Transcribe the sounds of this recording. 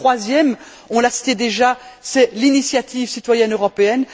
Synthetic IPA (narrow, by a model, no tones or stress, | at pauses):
χwazjɛm | ɔ̃lasi̥t̪ed̪eʒasɛlinisjat̪ʰivsit̪wajɛnøʁɔpeɛn